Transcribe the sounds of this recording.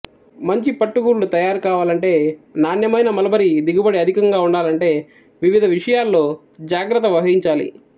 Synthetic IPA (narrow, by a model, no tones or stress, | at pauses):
mɐɲt͡ʃipɐʈːuɡuːɾlut̪ɐjaːɾukaːʋaːlɐɳʈe̞ːnaːnjɐmɐjnɐmɐlɐbɐɾid̪iɡubɐɽiɐd̪ʱikɐŋɡaːuɳɖaːlɐɳʈe̞ː | ʋiʋid̪ʱɐʋiʂɐjaːlːo̞ː | d͡ʒaːɡɾɐt̪ːɐʋɐɦɐɾiɲt͡ʃaːlḭ